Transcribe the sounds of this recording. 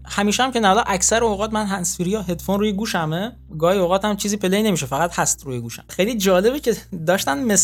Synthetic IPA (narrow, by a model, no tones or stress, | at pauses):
hæmiːʃeæmce̞nælɒːʔæcsæɾeoɣɒːt̪mænɦænsfiːɾijɒɦed̪fonɾuːjeɡuːʃæme | ɡɒːhioɣɒːt̪æmt͡ʃʰiːziːpʰeleine̞miːʃefæɣæt̪hæst̪ruːjeɡuːʃæ̰mxejliːd͡ʒɒːle̞becʰe̞d̪ɒːʃt̪ænmes